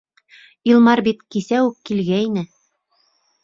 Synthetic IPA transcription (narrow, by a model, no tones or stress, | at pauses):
ilˠmɑɾbit̪kisæwʉkːilɡæinɘ